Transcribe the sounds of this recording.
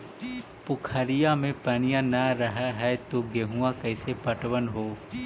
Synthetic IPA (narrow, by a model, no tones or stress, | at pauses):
pʊkʰəɾijamẽpɐnijãnəɾəɦɛɦɛt̪oɡeɦuãkɛːsepɐʈwənɦoː